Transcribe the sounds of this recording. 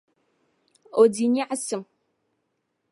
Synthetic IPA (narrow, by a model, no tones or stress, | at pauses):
odiːniːʕasɨm